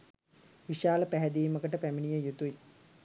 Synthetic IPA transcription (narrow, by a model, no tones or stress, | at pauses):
ʋiʃaːləpæɦɛd̪iːməkəʈəpæminijəjut̪ui